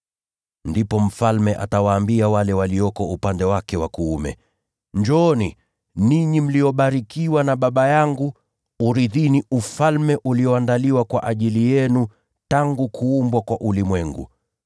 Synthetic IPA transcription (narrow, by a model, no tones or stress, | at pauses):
ndipɔm̩falmɛʔa̰tawaːmbiawalɛwaliɔkɔupandɛwakɛwakuumɛ̰ | ɲd͡ʒɔːni | niɲim̩lijɔɓaɾikiwanaɓaɓajaŋɡuː | ɾiðiniʔufalmɛʔuliɔandaliwakwa̰ʔaʄilijɛnu | taŋɡukʰuumbwakwaʔulimwɛŋɡṵ